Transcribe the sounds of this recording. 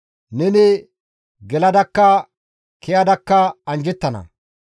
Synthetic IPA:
nɛnɪ | ɡɛlɐd̪ɐkːɐ | kʰɛjɐd̪ɐkːɐɐnd͡ʒɛt̪ːɐnɐ̰

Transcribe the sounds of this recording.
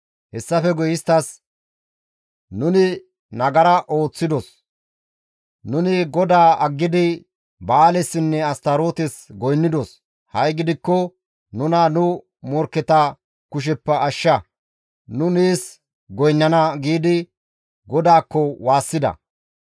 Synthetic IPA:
hɛsːɐfɛɡɔjɪst̪ɐs | nʊnɪ | nɐɡɐɾɐʔo̞ːt͡sːɪd̪ɔs | nʊnɪɡɔd̪aːɐɡːɪd̪ɪ | bɐːlɛsːɪnːɛɐst̪ɐɾo̞ːt̪ɛsɡɔjnːɪd̪ɔs | hɐjɡɪd̪ɪkːɔ | nʊnɐnʊ | mɔɾkːɛt̪ɐ | kʊʃ̬ɛpːɐːʃːɐ | nʊniːs | ɡɔjnːɐnɐɡiːd̪ɪ | ɡɔd̪aːkːɔwaːsːɪd̪ɐ̰

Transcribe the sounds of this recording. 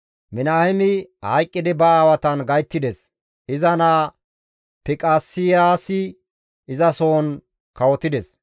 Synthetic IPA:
mɪnaːhɪmɪhɐjkʼːɪd̪ɪbɐaːwɐt̪ɐnɡɐjt̪ːɪd̪ɛs | ɪzɐnaː | pɪkʼaːsːɪjaːsɪː | zɐsoːn | kɐwɔt̪ɪd̪ɛs

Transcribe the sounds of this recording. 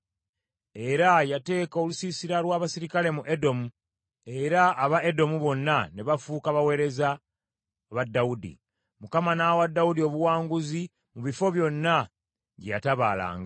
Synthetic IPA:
e̞ɾajate̞ːko̞lusisiɾalwaːβasiɾikale̞muʔe̞do̞mu | e̞ɾaːβae̞do̞muβo̞nːaneβafuːkaβawe̞ːɾe̞za | βadːaudḭ | mukamanawadːaudio̞βuwaːŋɡuzi | muβifo̞βjo̞nːa | ɟeja̰taβa̰ːla̰ːŋɡa

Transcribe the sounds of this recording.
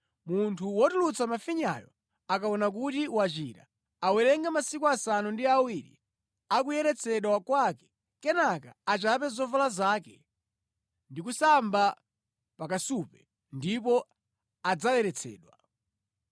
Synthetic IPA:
muntʰuwɔtulut͡sʰamafiɲa̰jɔ̰ | akaɔnak̬utiwat͡ʃḭːɾa̰ | awɛɾɛŋɡamasikuasanundiawiɾḭ | akujɛɾɛt͡sʰɛɗwakwakɛ̥ | kɛnaka̰ːt͡ʃap̬ɛzɔvalazaːkɛ | ndikusamba | pakasupɛ | ndip̬ɔ | ad͡zajɛɾɛt͡sʰɛ̰ːɗwa

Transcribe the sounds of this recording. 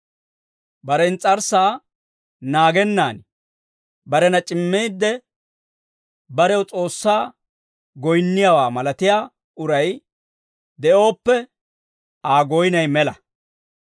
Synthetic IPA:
bɐɾɛnt͡sʼɐɾsaː | naːɡɛnːaːn | bɐɾɛnɐt͡ʃʼɪmːeːd̪ːɛ | bɐɾɛwt͡sʼo̞ːsːaː | ɡɔjnːɪjawaːmɐlɐt̪ɪjaː | ʊɾɐj | d̪ɛʔo̞ːpːɛ | aːɡɔjnɐjmɛlɐ

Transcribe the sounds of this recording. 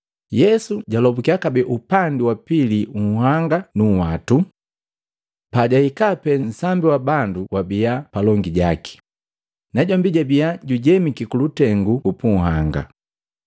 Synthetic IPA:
jɛsuɟalɔbukiakabɛʔupandiwapiliuɦaŋɡanuwatu | paɟaikapɛnn̩sambiwabanduwabiapalɔŋɡiɟaki̥ | naɟɔmbiɟabijaɟuɟɛmikikulutɛŋɡuupuŋ̩ɦaŋɡa̰

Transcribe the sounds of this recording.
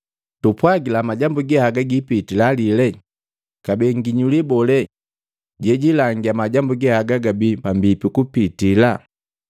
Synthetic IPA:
tupwaɡilamaɟambuɡɛhaɡaɡipitilalilɛ | kabɛŋɡiɲulibɔlɛ | ɟɛɟilaŋɡiamaɟambuɡɛhaɡaɡabipambipikupitila

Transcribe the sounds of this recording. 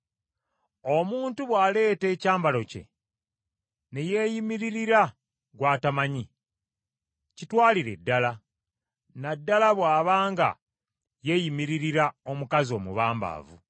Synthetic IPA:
o̞muːntuβwaːle̞ːte̞ːcaːmbalo̞ce̞̰ | ne̞jeːjimiɾiɾiɾa | ɡwaːtamaɲi | citwaːliɾe̞̰dːala | nadːalaβwaːβaːŋɡa̰ | je̞jimiɾiɾiɾao̞mukazio̞ːmṵβaːmba̰ːvṵ

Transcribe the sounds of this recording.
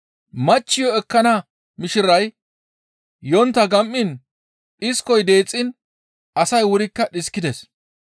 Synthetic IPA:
mɐt͡ʃːɪjɔɛkːɐnɐ | mɪʃɪɾɐj | jɔnt̪ːɐɡɐmʔːɪn | ɗɪskɔjd̪e̞ːt͡sʼːɪn | ʔɐsɐjwʊɾɪkːɐɗɪskːɪd̪ɛs

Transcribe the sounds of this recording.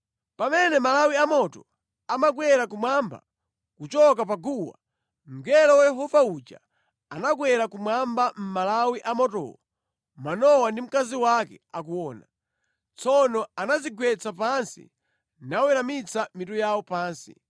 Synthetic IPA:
pamɛnɛmalawiamɔtɔ | amaɡwɛɾakumwamba̰ | kut͡ʃɔk̬ap̬aɡuwa̰ | m̩ɡɛlɔwajɛɦɔvaut͡ʃa̰ | anaɡwɛɾakumwambam̩malawiʔamɔtɔ̰ɔ | manɔwandim̩kaziwakɛakuwɔːna | t͡sɔnɔanaziɡwɛt͡sapansḭ | nawɛɾamit͡samitujawɔpaːnsḭ

